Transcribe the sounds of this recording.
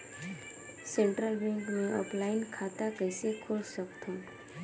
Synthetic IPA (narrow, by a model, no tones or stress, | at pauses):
sẽɳʈɾəlbɛ̃ŋkmẽʔɔ̰ːplaːɪnkʰaːt̪akɛɪsekʰʊlsəkt̪õː